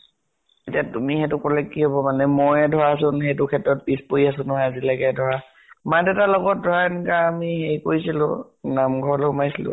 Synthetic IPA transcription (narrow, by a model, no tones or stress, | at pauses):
itiatumixɛtʊkɔlɛkːiɦobɔmanɛmɔjɛdʱɔɹaːsʊ̃nhɛtʊkʰɛtɹɔt̚pispoiasʊ̃nɔɦaazilaɡɛdʱɔɹa | madɛtalɔɡɔt̚dʱɔɹaɛnikaamihejkoɹisilʊ̰̃ | namɡʱɔɹɔlɛʊmajsilʊ̰̃